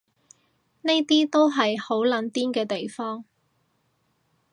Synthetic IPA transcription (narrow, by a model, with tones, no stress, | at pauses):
ne˥jt̪iː˥t̪o˥wɦɐ˨jho˨˥wlɐ˨˥nt̪iː˥nkɛː˧t̪e˨˩jfɔː˥ŋ